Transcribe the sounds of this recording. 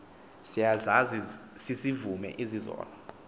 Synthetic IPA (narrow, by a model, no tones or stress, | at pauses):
sijazazisisivumɛ̰ʔizizɔ̰ːlɔ